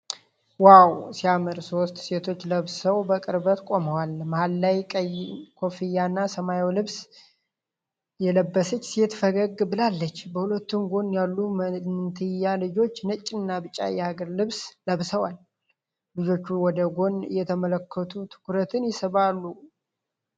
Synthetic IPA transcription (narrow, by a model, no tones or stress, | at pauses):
wawsiamɨɾso̞st̪se̞t̪ʰo̞t͡ʃːləβsəwbəkʼɨɾbət̪kʷʼo̞məwalmhalːajkʼəjkʰo̞fijanːasəmajɛwlɨβs | jɛləbːəsət͡ʃːsiɛt̪fəɡəɡbɨlalːət͡ʃːbəhulət̪ːumɡo̞njalːumənnt̪ʰɨjːalɨd͡ʒo̞t͡ʃːnət͡ʃʼːɪnːabɨt͡ʃʼːa̰jɛhaɡəɾlɨβsləβsəwal | lɨd͡ʒo̞t͡ʃːuwɔd̪əɡo̞njɛt̪ʰəmələkʰːət̪ʰut̪ʰɨ̥kʰuɾət̪ʰɨnjɪsəβalːu